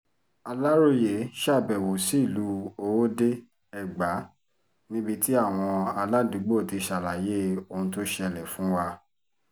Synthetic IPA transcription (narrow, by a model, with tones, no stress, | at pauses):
a˧la˦ɾo˦˨je˨˦ʃa˦˨bɛ˨wo˨si˦˨lu˨˦o˧wo˦de˦ | ɛ˨ɡ͡ba˨˦ | nĩ˦bi˧ti˦a˦˨w̃ɔ̃˧a˧la˦du˨˦ɡ͡bo˦˨ti˧ʃa˨la˨je˦o˧ũ˧to˦ʃe˦˧ɛ˧˨lɛ˨fũ˨˦wa˧